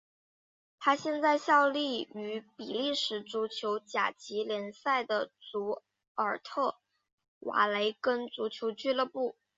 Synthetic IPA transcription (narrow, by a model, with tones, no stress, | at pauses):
t̪ʰa˥ɕjɛ˥˧nt͡sa˥˧ɪɕjɑ˥˧ʊli˥˩y˧˥pi˨˩li˥˩ʂɻ̩˧˥t͡su˧˥t͡ɕʰjo˧˥ʊt͡ɕja̰˨˩t͡ɕi˧˥ljɛ˧˥nsa˥˩ɪd̪ə˩t͡su˧˥ | ə˞˨˩t̪ʰɤ˥˩ | wʔa̰˧˥le˧˥ɪkə˥nt͡su˧˥t͡ɕʰjo˧˥ʊt͡ɕy˥˧lɤ˥˧pu˥˩